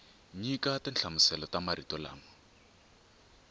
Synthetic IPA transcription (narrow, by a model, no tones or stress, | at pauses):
ɲikatɪnt͡ɬʰamʊsɛlɔtamaɾitɔla̰ːmɔ